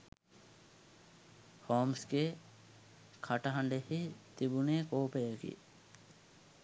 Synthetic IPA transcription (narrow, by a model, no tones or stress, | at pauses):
hoːmske | kʰɐʈɐɦɐɳɖehit̪ibunekoːpejəkḭ